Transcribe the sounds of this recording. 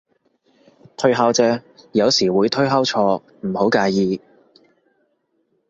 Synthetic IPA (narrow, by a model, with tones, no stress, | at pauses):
t̪ʰɵ˥ɥɦaː˥wt͡sɛː˧˥jɐ˨˧wsiː˨˩wuː˨˧jt̪ʰɵ˥ɥɦɐ˥wt͡ʃʰɔː˧ | m̩˨˩ho˨˥wkaː˧jiː˨˧